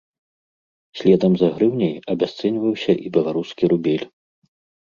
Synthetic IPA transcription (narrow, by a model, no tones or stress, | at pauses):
sʲlʲɛd̪ɐmzaɣɾɨwnʲɛjɐbʲast̪sɛnʲvɐwsʲɐʔibʲɐlˠaɾuskʲiɾubʲɛlʲ